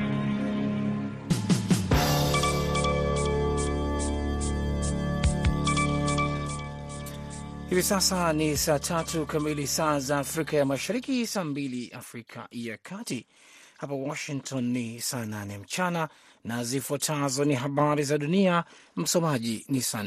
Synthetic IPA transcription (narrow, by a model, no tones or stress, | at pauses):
hivisasanisaːtʰatʰukamilisaːzaːfɾikajamaʃaɾikisaːmbiliʔa̰fɾikʰa̰jakʰati | hapawɔʃiŋtʰɔnːisaːnanɛm̩t͡ʃana | nazifwatʰazɔniɦaɓaɾizaɗunia | m̩sɔmaʄinisa